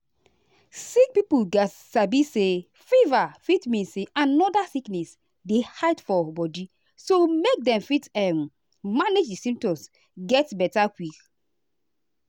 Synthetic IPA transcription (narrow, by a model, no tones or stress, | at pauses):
sik̚pipuɡatsabise | fivafitmĩnseʔanɔdasiknɛs | dehajtfɔbɔdi | somek̚dɛ̃mfitɛ̃mː | aned͡ʒdisĩmp̚tɔ̃ms | ɡɛtbɛtakwik